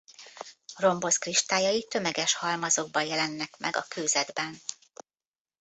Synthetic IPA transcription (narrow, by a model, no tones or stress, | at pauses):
ro̞mbo̞skriʃt̪aːjɒjit̪ø̞mɛɡɛʃhɒlmɒzo̞ɡ̚bɒjɛlɛnːɛkmʔɛ̰ɡɒ̰køːzɛd̪bɛn